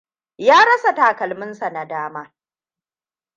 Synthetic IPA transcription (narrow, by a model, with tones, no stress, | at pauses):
jaː˦ɽɐ˦sa˨taː˨kɐ˨lmɪ˦nsa˨na˨daː˦maː˦